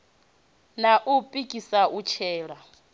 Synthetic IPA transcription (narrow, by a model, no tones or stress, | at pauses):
naʔupʼikʼisaut͡ʃʰɛːɺa